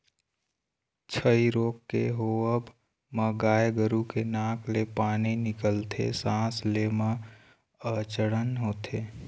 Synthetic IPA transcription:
t͡ʃʰəiɾoːkːeɦoəb | məɡaːjɡəɾukenãːklepaːninɪkəlt̪ʰḛsãːslemə̃ | ət͡ʃəɽənɦoːt̪ʰeː

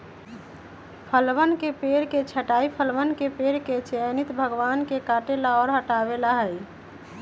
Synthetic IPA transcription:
pʰəlʋənkepeɾket͡ʃʰəʈaipʰəlʋənkepeɾket͡ʃenit̪bʱəɡʋankekaʈelaɔːɾɦəʈaβelaɦəj

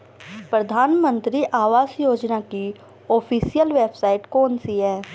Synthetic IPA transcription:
pɾɐd̪ʱaːnmə̃nt̪ɾiʔaːʋaːzjoːd͡ʒnaki | oːpʰiːsijəlʋeːbsaːɪʈkɔːnsiɦɛː

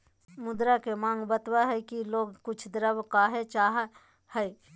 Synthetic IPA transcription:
mʊd̪ɾakemãːŋɡbət̪waɦɛkiloːɡkʊt͡ʃʰd̪ɾəbkaːɦet͡ʃaːɦ | hɛe

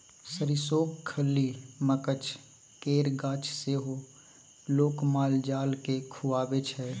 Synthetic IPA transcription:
səɾɪsoːkkʰːəlːiməkət͡ʃ | keːɾɡaːt͡ʃʰseːɦo | loːkmaːld͡ʒaːlkekʰuaːbet͡ʃʰɛː

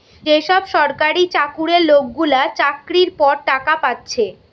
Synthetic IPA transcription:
eʃɔbʃɔɾkaɾit͡ɕakuɾeɾlok̚ɡulat͡ɕakɾiɾpɔɾʈakapatːɕʰe

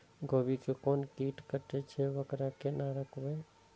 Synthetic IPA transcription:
ɡʱoːbikekɔːnkiːʈkəʈet͡ʃʰeʋəkɾakenaɾəkʋeː

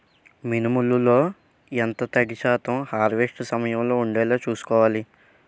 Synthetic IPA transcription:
minimululo̞ː | ent̪ɐt̪ɐɽiʃaːt̪ɐmhaːɾʋeʂʈsɐmɐjɐmlo̞ːuɳɖɛːlaːt͡ʃuːsu̥kɔːʋaːli

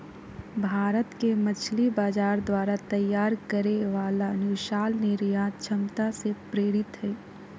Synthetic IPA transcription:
bʱaːɾət̪kemət͡ʃʰlibaːd͡ʒaːɾd̪waːɾat̪əjːaːɾkəɾeʋaːlanʊʃaːlneɾjat͡ʃʰəmt̪asepɾeːɾɪt̪ɦɛː

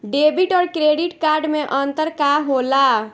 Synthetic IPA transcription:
ɖebiʈɔɾkɾeɖiʈkaɾɖmeʔənt̪əɾkaɦola

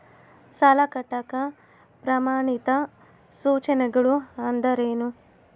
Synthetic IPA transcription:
sɐlɐkɐʈːɐkɐ | pɾɐmaːɳit̪ɐ | suːt͡ʃɐnɐɡɐɭuɐnd̪ɐɾeːnu

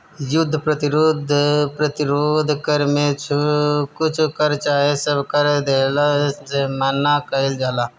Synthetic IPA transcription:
jʊd̪ʱːpɾət̪ɪɾʊd̪ʱpɾət̪ɪɾoːd̪ʱkəɾmẽt͡ʃkʊt͡ʃʰkəɾt͡ʃaːɦesəbkəɾd̪eːlasemənakəɪld͡ʒaːlaː

